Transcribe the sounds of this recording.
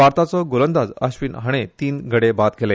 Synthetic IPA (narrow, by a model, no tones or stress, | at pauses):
ʋaɾt̪at͡sɔɡolənd̪ad͡zə̰ɕʋiːnɦaɽ̃et̪iːnɡʱəɽebat̪̚ɡele